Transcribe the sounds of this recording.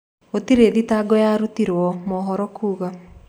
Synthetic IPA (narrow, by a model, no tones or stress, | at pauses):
otiɾeðitaɡɔjaɾutiɾwɔmɔɦɔɾɔkuːɣa